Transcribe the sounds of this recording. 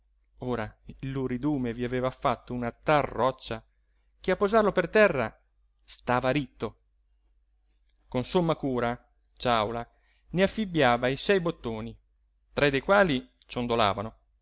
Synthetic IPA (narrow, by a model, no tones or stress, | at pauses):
oːɾailuɾid̪uːmeviaveːvafat̪ːounat̪arːɔt͡ʃːa | k̟eapːozarlopert̪ɛrːa | st̪aːvaɾit̪ːo | konsomːakuːɾa | t͡ʃawla | neafːibjaːvaisɛjbot̪ːoːni | t̪ɾɛd̪ːejkwaːli | t͡ʃond̪ola̰ːvano